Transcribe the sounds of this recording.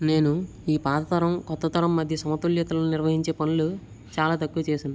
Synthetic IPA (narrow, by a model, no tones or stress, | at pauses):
ne̞ːnu | iːpaːt̪ɐt̪ɐɾɐmkɔt̪ːɐt̪ɐɾɐmːɐd̪ʱjɐsɐmɐt̪uljɐt̪ɐloːniɾʋɐɦiɲt͡ʃe̞ːpɐnulu | t͡ʃaːlaːt̪ɐkːuʋɐt͡ʃeːsaːn